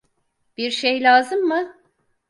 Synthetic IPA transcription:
b̥iɾʃejlʲaːzɯmːɯ

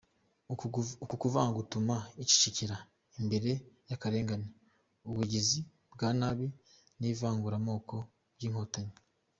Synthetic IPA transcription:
ukukuvaːŋaɡutumaici̥ciciɾa | imbe̞ɾe̞jakaɾe̞ːŋɡane | uβuɟizi | bɡaːnaβi | nivaːŋɡuɾamo̞ːko̞ | bɟiːŋ̥ho̞taɲi

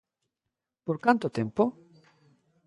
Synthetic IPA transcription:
poɾkant̪ot̪ẽmpo

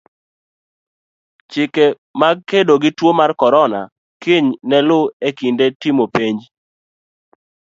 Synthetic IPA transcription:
t͡ʃɪke | maɡ̚kedoɡɪtwomarkɔɾɔna | kiɲnɛlʊekindetimopeɲd͡ʒ

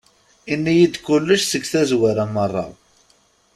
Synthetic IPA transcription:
inːijid̪kʊlːəʃsəɡθæzwaɾamərˤːɑ̰

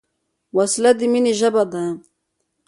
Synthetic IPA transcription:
waslad̪iminiʒabad̪an

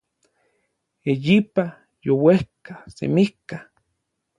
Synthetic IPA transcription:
ejipa | jowehkasḛmihka

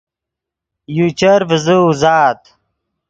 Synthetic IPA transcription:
jut͡ɕɐɾvəzuzaːt̪

